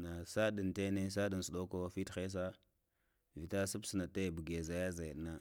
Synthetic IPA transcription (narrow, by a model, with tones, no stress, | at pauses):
na˨sa˦ɗi˨nte˦ne˦s̬a˦di˨n˨su˨ɗo˦ko˦fi˦txe˦s̬a˦ | vi˨ta˦su˦bsna˨ta˦˨bu˨ɡe˨za˨ja˦za˨ji˨ɗna˦